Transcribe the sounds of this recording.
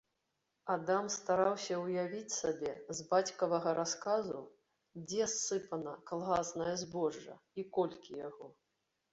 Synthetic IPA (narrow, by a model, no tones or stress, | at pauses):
ad̪amst̪aɾawsʲɐwjavʲit͡sʲsabʲɛzbat͡sʲkɐvɐɣɐɾaskazṵ | d͡zʲɛsːɨpɐnɐkalˠɣasnɐjɐzbɔʐːɐ̰ | ikɔlʲkʲijaɣɔ